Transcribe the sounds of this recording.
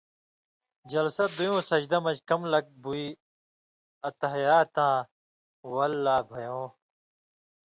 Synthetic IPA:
d͡ʑɐlsɐt̪̚d̪ujõːsɐd͡ʑd̪ɐmɐd͡ʑkɐmlɐk̚bui | ɐt̪ɐɦjaːt̪ãː | wɐlːaːbʱɐjõː

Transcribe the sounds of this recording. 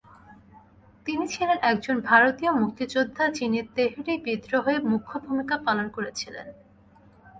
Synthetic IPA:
t̪init͡ɕʰilenʔɛk̚d͡ʑonbʱaɾot̪iomuk̚t̪id͡ʑod̪ʱːat͡ɕiniɾt̪eɦiʈibid̪ɾoɦoemukʰːobʱumikapalonkoɾet͡ɕʰilḛn

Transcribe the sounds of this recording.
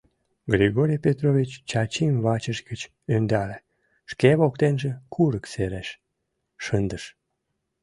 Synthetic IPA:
ɡɾʲiɣoɾʲijpʲet̪rovʲit͡ɕt͡ɕɑt͡ɕimβɑt͡ɕəʃɡət͡ɕ | ønd̪æle | ʃkeβokt̪enʒekʰuɾəkseɾæʃ | ʃənd̪əʃ

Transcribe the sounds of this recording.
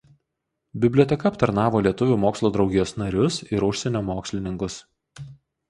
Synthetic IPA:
bʲɪbʲlʲoːt̪ʲɛkɐɐpt̪ɐɾnɑːʋoːlʲiɛt̪ʊʋʲuːmoːkslˠoːd̪ɾɒʊɡʲɪjoːsnɐɾʲʊsɪɾʊʃʲsʲɛnʲoːmoːksʲlʲɪnʲɪŋkʊs

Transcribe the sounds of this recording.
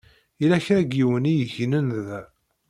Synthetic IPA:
ilæçɾæɡiwənijəçnənð

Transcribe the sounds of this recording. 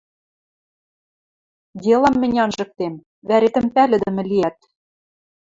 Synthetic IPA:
d̪ʲelɑ̆mːɘ̆nʲɑnʒɤ̆k̚t̪em | βæɾet̪ɘ̆mpælɘ̆d̪ɘ̆mɘ̆liæt̪̚

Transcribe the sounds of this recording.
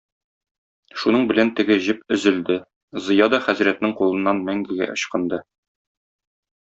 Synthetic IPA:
ʃunɤɴbɘ̆lænt̪ɘ̆ɡɘʑɘpɵ̆zɘ̆ld̪ɘ | zɤ̆jɑd̪ɒχæzɾæt̪nɘŋqulˠɤ̆nːɑnmæŋɡɘɡæ̰ʔŏɕqɤ̆nd̪ɤ

